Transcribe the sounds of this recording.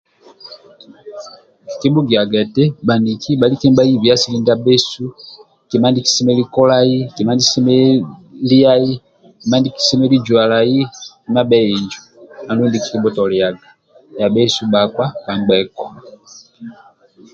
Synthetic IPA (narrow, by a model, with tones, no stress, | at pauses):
ki̥˨ki˦bu˦ɡi˨a˨ɡɛ˨tɛ˦ba˨ndi˨ki˦ba˨li˦kɛ˦mba˦ji˦βja˦si˦li˦nda˦be˦su˦ | ki˨ma˦ndi˦ki̥˦sɛ˦mɛ˦li˦kɔ˦la˦ji˦ki˨ma˦ndi˦si˦mɛ˦li˦a˦ji˦ | ki˨ma˦ndi˦ki̥˦sɛ˦mɛ˦li˦d͡ʒwa˨la˨ji˦ki˨ma˦bɛ˦ji˨ɲd͡ʒu˨a˨ndu˦ndi˨ki̥˨ki˦bɔ˦tɔ˨li˨ja˨ɡa˨ | ja˨be˦su˦ba˨kwa˦ka˨ŋɡ͡bɛ˨kɔ̥˨